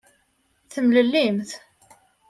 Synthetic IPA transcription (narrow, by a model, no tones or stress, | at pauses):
θəmləlːimθ